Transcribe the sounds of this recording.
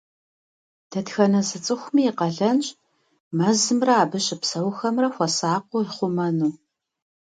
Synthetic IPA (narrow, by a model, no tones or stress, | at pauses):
d̥ʰɐtxɐnɐzɨt͡sʼɨxʷmiːqɐɮɐnɕʼ | mɐzɨmrɐaːbɨɕʼɪpsɐwxɐmrɐxʷɔsaːqʷʊɪχʷʊmɐnuː